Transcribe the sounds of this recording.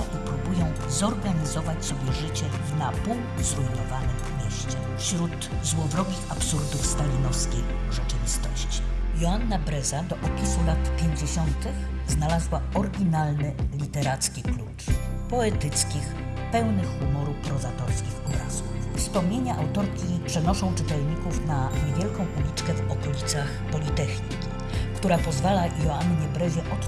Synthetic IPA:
aʔipɾubujɔ̃w̃zɔɾɡaɲizɔvat͡ɕsɔbʲjɛʐɘt͡ɕɛ | napu | zɾujnɔvanɘxkmʲɛɕt͡ɕɛfɕɾut̪ | zwɔvɾɔɡʲixapsuɾd̪ufst̪alʲinɔfskʲej | ʐɛt͡ʂɘvʲist̪ɔ̰ɕt͡ɕi̥jɔanːabɾɛzad̪ɔʔɔpʲisulat̪pʲjeɲd͡ʑeɕɔnt̪ɘxznalazwaɔɾɡʲinalnɘlʲit̪ɛɾat̪skʲiklut͡ʂpɔɛt̪ɘt̪skʲix | pɛwnɘxːumɔɾupɾɔzat̪ɔɾskʲixɔbɾa̰z̥uffspɔmɲeɲaʔawt̪ɔɾkʲipʂɛnɔʂɔ̃w̃t͡ʂɘt̪ɛlɲikufnaɲevʲjɛlkɔ̃w̃ʔulʲit͡ʂkɛvɔkɔlʲit̪saxpɔlʲit̪ɛxɲikʲi̥ | kt̪uɾapɔzvalajɔanːɲɛbɾɛzɛʔɔt̪

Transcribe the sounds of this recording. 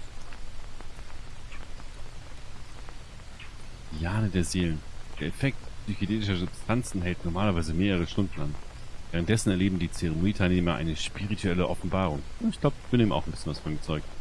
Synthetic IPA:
b̥ijaːnədeːɐzeːlənd̥eːɐɛfɛk̚tsyçideːnɪʃɐzʊpstʰant͡sn̩ɦɛltnɔɐmaːlɐvaɪzəmeːʁəʁ̞əʃtʊndn̩a̰nveːʁ̞ənt̚d̥ɛsn̩ɛɐleːbm̩diːt͡seʁ̞emoniːtʰaɪlneːmɐʔa̰ɪnəʃpiʁitʰuɛləʔɔfn̩baːʁ̞ʊŋʊntɪçɡ̥laʊbəɪçb̥ɪniːmaʊxanbɪsçənvasfɔnibɐt͡sɔʏk̚t

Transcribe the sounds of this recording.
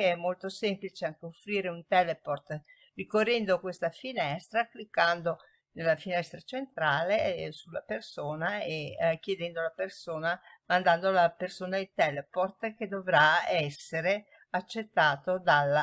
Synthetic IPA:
keɛmːolt̪osemplit͡ʃeaŋk̟eofːɾiːɾeunt̪ɛleport̪ | rikorːɛnd̪okwest̪afinɛst̪ɾaklikːand̪o | nelːafinɛst̪ɾat͡ʃent̪ɾaːlesulːapersoːnaek̟jed̪ɛnd̪olapersoːnamand̪and̪olapersoːnailt̪ɛleport̪ked̪ovɾaɛsːeɾe | at͡ʃːet̪ːaːt̪od̪alː

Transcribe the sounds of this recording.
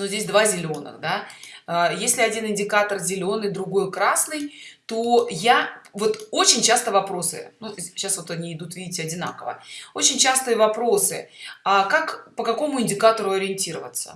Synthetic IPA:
nozʲdʲesʲd̪vazʲɪlʲo̞nə̰xd̪aajesʲlʲɪɐdʲinɪnʲdʲɪkat̪ərzʲɪlʲo̞nɨjd̪ɾʊɡo̞jkɾasnɨjt̪ojavo̞t̪o̞t͡ɕɪnʲt͡ɕast̪əvɐpɾo̞sɨ̰nuɕːasvot̪ɐnʲiɪd̪ut̪vʲidʲɪtʲɪɐdʲɪn̪a̰kəvə̰ot͡ɕɪnʲt͡ɕast̪ɨəvɐpɾo̞sɨ̰akakpəkɐko̞mʊɪnʲdʲɪkat̪əɾʊɐɾʲɪɪnʲtʲiɾəvət̪sə̰

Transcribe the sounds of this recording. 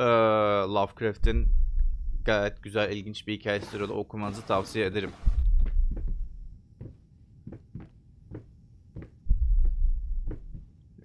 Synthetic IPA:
ɛːlˠavkɾaft̪ʰin | ɡ̥ajɛt̪̚ɟyzælʲilʲɟint͡ʃbihicʰaːjɛsyɾod̪a̰o̞kʰumanɯzɯt̪ʰavsijaed̪eɾim

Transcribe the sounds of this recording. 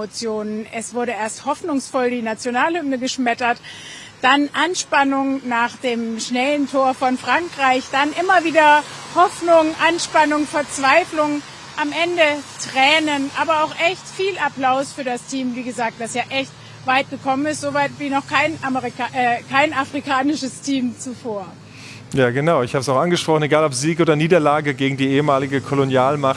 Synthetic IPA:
ot͡sjoːnənʔɛsv̥ʊɐɾəʔeːɐsthɔfnʊŋsfɔldiːnat͡sjonaːlhʏmnəɡəʃmɛtɐt | d̥anʔanʃpanʊŋnaːχd̥eːmʃnɛləntʰoːɐfɔnfʁ̥aŋkʁ̥aɪçd̥anʔɪmɐviːdɐ | hɔfnʊŋʔanʃpanʊŋfɛɐt͡sv̥aɪflʊŋ | ʔamʔɛndətʁ̥ɛːnənʔaːbɐaʊxʔɛçtfiːlapl̥aʊsfyːɐdastʰiːmviːɡəzaːk̚t̚d̥asjaːʔɛçt | vaɪt̚ɡ̥əkʰɔmənɪstz̥ovaɪtv̥iːnɔχkʰaɪnaməʁiʔɛːkʰaɪnafʁ̥ikʰaːnɪʃəstʰiːmt͡sufoːɐ | jaːɡənaʊɪçhaːbəsaʊxʔanɡəʃpʁ̥ɔχn̩eɡaːlɔpz̥iːkʔoːdɐniːdɐlaːɡəɡeːɡŋ̩diːʔeːəmaːlɪɡəkʰolonjaːlmaχt

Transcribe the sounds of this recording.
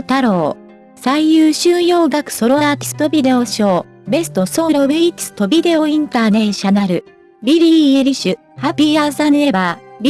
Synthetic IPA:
t̪aɾo̞ː | saijɯːɕɨ̃ːjo̞ːɡakɯ̟̥so̞ɾoaːt̪ʲi̥sɨ̥t̪o̞bʲid̪e̞oɕo̞ː | be̞sɨ̥t̪o̞soɾobɯikʲi̥sɨ̥t̪o̞bʲid̪e̞o̞ĩnt̪aːnẽ̞ɕanaɾɯ̟ | bʲiɾʲiːeɾʲiɕɨ | hapʲiasanɾe̞babʲ

